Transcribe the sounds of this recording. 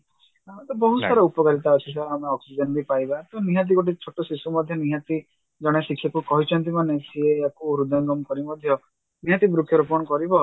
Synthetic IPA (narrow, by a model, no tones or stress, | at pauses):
t̪ɔbɔɦusaɾɔupɔkaɾit̪aɔt͡ʃʰisaameɔksid͡ʒɔnbipajbat̪uniɦat̪̬iɡoʈ̬it͡ʃʰoʈɔsisumɔd̪ʱjɔniɦãt̪i | d͡ʒɔɽ̃esikʰːjakukɔɦit͡ʃʰɔnt̪̬imanesieakuɾud̪ʱanɡɔmkɔɾimɔd̪ʱjɔ | niɦãt̪ibɾukʰjɔɾupɔñɔkɔɾibɔ